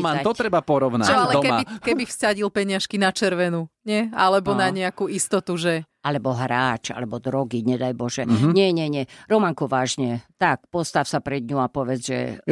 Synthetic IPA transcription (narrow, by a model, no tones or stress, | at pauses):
manat̪ɔt̪ɾɛbapɔɾɔʊnat͡ʃɔalɛɔkɛbikɛbifssaɟilpɛɲɪaʃkinat͡ʃɛɾʋɛnuɲɛalɛbɔnaɲɛakuist̪ɔt̪uʒɛ | alɛbɔɦɾaːt͡ʃa̰lɛbɔd̪ɾɔɡiɲɛd̪ajbɔʒɛɲɛɲɛɲɛɾɔmaŋkɔʋaːʒɲɛt̪ak̚pɔst̪afsapɾɛd̪ɲuapɔʋɛd͡zʒɛ̰